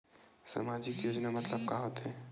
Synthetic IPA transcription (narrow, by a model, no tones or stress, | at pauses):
sa̰mad͡ʒɪkjoːd͡ʒnamɐt̪ləb̚kaɦoːt̪ɦɛː